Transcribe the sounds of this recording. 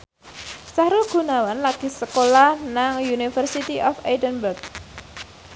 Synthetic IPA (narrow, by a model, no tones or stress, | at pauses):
saɾʊlɡ̥ṳnawanlaɡ̥i̤səkolahnaŋjunifərsit̪iʔɔfedənbərɡ̚